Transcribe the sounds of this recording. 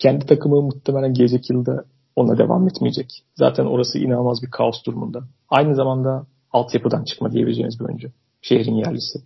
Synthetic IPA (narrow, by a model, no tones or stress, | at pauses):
cʰɛnd̪it̪ʰakʰɯmɯmut̪ːʰemelʲænɟele̞d͡ʒɛcjɯlˠd̪a | onˠa̰d̪e̞̰va̰mɛt̪mijed͡ʒɛcza̰ːt̪ʰæno̞̰ɾasɯ̰ʔḭnaːmazbiɾkʰaosd̪uɾumund̪a | ajnɯzamand̪a | alˠt̪ʰjapɯd̪ant͡ʃʰɯ̥kmad̪ije̞bilʲeeːnizbiø̰nd͡ʒɛ | ʃe̞hɾinjæɾlʲisɪ